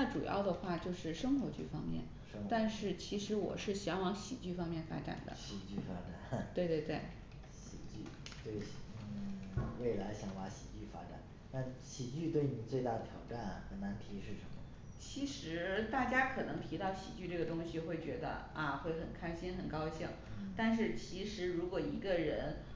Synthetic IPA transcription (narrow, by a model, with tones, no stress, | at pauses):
a˥˩ʈ͡ʂṵ˨˩jɑ̰˥˩ʊd̪ə˩xwa˥˧t͡ɕjo˥˧ʊʂɻ̩˥˩ʂɤ˥ŋxwo˧˥t͡ɕy˥˩fɑ̰˥ŋmjɛ̰˥˩n | ʂt̪a˥˧nʂɻ̩˥˩t͡ɕʰi˧˥ʂɻ̩˧˥wɔ̰˨˩ʂɻ̩˥˩ɕjɑ˧˥ŋwɑ˧˥ŋɕḭ˨˩t͡ɕy˥˩fɑ˥ŋmjɛ˥˩nfa̰˥ʈ͡ʂa̰˨˩nd̪ə̰˦ɕi˨˩t͡ɕy˥˩fa˥ʈ͡ʂa˨˩nt̪we˥˧ɪt̪we˥˧ɪt̪we˥˩ɪ | ɕi˨˩t͡ɕy˥˩t̪we˥˩ɪ˩we˥˩ɪla˧˥ɪɕjɑ˨˩ŋwa˧˥ɕi˨˩t͡ɕy˥˩fa̰˥ʈ͡ʂa̰˨˩˦n | t̪a˥˩nɕi˨˩t͡ɕy˥˧t̪we˥˩ɪni˨˩t͡swe˥˧ɪt̪a˥˩d̪ə˩t̪ʰjɑ˨˩ʊʈ͡ʂa˥˩nɐ˩xə˨˩nna˧˥nt̪ʰi˧˥ʂɻ̩˥˩ʂə˧˥nmə˧˩ | t͡ɕʰi˧˥ʂɻ̩˧˥t̪a˥˩t͡ɕja˥kʰɤ˨˩nɤ˧˥ŋt̪ʰi˧˥t̪ɑ˥˩ʊɕḭ˨˩t͡ɕy˥˧ʈ͡ʂɤ˥˩ɡə˩t̪ʊ˥ŋɕi˨xwe˥˩ɪt͡ɕɥɛ˧˥d̪ə̰˧ | a˧xwe˥˩ɪxə˨˩nkʰa˥ɪɕi˥nxə˨˩nkɑ˥ʊɕi˥˩ŋt̪a˥˧nʂ̬ɻ̩˥˩t͡ɕʰi˧˥ʂɻ̩˧˥ɻu˧˥kwɔ˨˩i˧˥ɡə˧ɻə˧˥n